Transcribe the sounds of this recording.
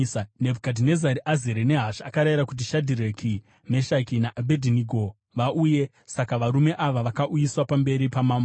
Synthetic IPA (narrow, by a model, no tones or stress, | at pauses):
nebʱukadine̞zaɾiʔazeɾene̞ɦaʃakaɾajiɾakut̬iʃadʱiɾekʰi | me̞ʃakinaʔabʱedʱiniɡʱo | ʋaʔuje̞ | sakaʋaɾume̞ʔaʋaʋakaʔujiswapambe̞ɾipamaːmbo